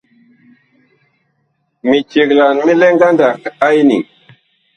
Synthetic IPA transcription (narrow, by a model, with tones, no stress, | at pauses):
mi˨t͡ʃi˨kla˨nmi˦le˦ŋɡa˦nda˨ka˦jnḭ˨